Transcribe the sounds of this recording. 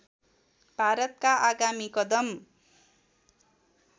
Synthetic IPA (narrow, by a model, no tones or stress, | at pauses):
bʱaɾʌt̪̚kaʔaɡamikʌd̪ʌm